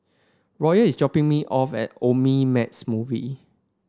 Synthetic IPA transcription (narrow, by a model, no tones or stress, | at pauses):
ɹɔjəisd͡ʒɔpɪ̃ŋmiʔɔfɛ̰t̚omimɛtsmuvḭ